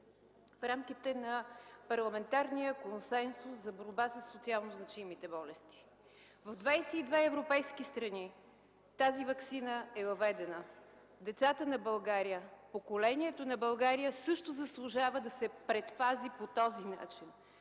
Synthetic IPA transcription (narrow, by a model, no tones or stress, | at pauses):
fɾamk̟it̪ɛnɐpɐɾlˠɐmɛnt̪aɾnijəkonsɛnsuszɐboɾbasəsːot̪sialˠnoznɐt͡ʃimit̪ɛbɔlɛst̪i̥ | vɐvd̪vajsɛid̪vɛɛvɾopɛjskist̪ɾɐni | t̪azivɐksinəɛvɐvɛd̪ɛnə | d̪ɛt̪sat̪ənɐbɐlˠɡaɾijəpokolɛniɛt̪onɐbɐlˠɡaɾijəsɤʃt̪ozɐslˠʊʒavəd̪ɐsɛpɾɛt̪pazipot̪ɔzina̰t͡ʃin